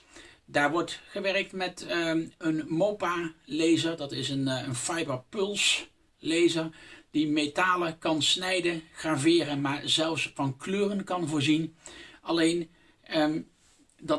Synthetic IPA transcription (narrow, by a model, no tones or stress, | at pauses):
daːɹʋɔɹtχəʋɛrək̚tmɛtənmowpalejzəɹdɑtɪsənənfɑjbəɹpɵlˠs | lejzəɹd̥imetaːləkɑnsnɛjdəχraːvɪːrənmaːɹzɛlˠfsfɑnkløːrənkɑnvʊːɹzinɑlejn | dɑ